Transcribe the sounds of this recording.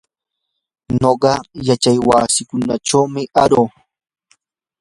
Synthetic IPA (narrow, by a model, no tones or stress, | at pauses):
noɢɑjat͡ʃajwa̰sɪkʊnaʈ͡ʂawmɪʔaɾoː